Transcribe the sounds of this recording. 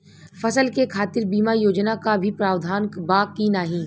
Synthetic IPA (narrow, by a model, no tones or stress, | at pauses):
fɐsəlkekʰaːt̪ɪɾbiːmajoːd͡ʒnakabʱipɾaːwd̪ʱaːnkbaːkinaːɦĩː